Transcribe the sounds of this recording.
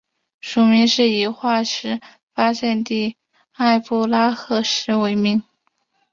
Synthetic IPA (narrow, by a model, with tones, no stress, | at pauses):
ʂu˨˩mi˧˥ŋʂɻ̩˥˩i˧˩xwa˥˩ʂɻ̩˧˥ | fa˥ɕjɛ˥˧nt̪i˥˩ | a˥˧ɪpu˥˩la˥xɤ˥˩ʂɻ̩˧˥we˧˥ɪmi˧˥ŋ